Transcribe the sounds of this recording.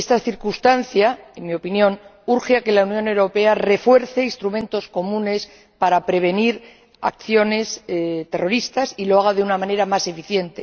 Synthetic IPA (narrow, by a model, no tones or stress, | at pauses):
est̪aθiɾkust̪anθjaenmio̞pinjõ̞nuɾxeake̞launjo̞ne̞wɾo̞pe̞are̞fwe̞ɾθeinst̪ɾumẽ̞nt̪o̞sko̞mũne̞s | paɾapɾe̞β̞e̞niɾ | a̰k̚θjo̞ne̞st̪e̞ro̞ɾist̪asilo̞aɣ̞aðeunamãne̞ɾamase̞fiθje̞nt̪e̞